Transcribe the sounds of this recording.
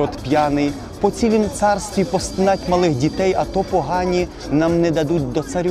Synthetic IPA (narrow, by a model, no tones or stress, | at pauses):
ɔt̪pʲjɑnɪj | pɔt͡sʲsʲilʲimt̪sɑrst̪ʋʲipɔst̪ɪnɑtʲmɐlˠɪxdʲit̪ɛjɐt̪ɔpɔɦɑnʲi | nɑmnɛd̪ɐd̪utʲd̪ɔt̪sɐɾʲ